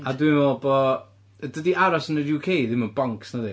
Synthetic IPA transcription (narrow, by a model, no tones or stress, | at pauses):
adwinɔlˠbɔ | dədiʔaɾasənəjuːkʰejðɪmənbaŋksnaðɪ